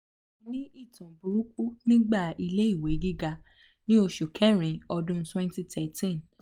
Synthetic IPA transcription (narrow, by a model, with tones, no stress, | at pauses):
nĩ˦i˦˨tũ˨bu˨ɾu˦k͡pu˦nĩ˦ɡ͡ba˦˨i˧le˦i˦˨we˨˦ɡi˦ɡa˧ | nĩ˦o˧ʃo˨kʰɛ̃˦ɾ̃ĩ˨ɔ˧dũ˦twɛ̃˦n˦ti˧tʰɛ˨tĩ˦˨n